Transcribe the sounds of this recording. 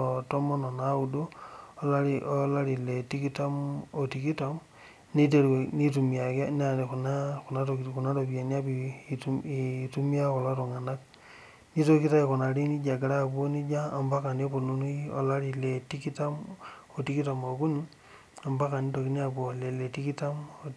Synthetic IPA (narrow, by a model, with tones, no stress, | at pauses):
to˦mɔ˦nɔ˨na˨˦u˨doː˦la˦ɾio˦la˦ɾi˨le˨ti˦ki˦ta˦mo˨ti˨ki˦to˨m | ni˦t̬e˨ɾwe˨ni˦tu˨mia˨kn˦a˨ne˨ku˨na˦ku˨na˦to˨ku˨na˦to˨pi˨a˨ni˦a˦pi˨tuitu˦mi˦a˦ko˨la˦to˨ŋa˨na˦k | ni˦to˦ki˦ta˦e˨ku˨na˨ɾi˦ni˦d͡ʒa˨ɡe˨ɾa˦˨pu˦o˦ni˦d͡ʒaː˦˨mba˦ka˨n˦e˦po˨lu˦nu˦o̰˨la˦ɾi˨le˨ti˦ki˦ta˦m | o˨ti˦ki˦ta˨mo˨ku˦ni | a˨mba˦ka˨ni˦to˨ki˦ni˦a˦˨pwo˨le˨le˨ti˦ki˦ta˦mo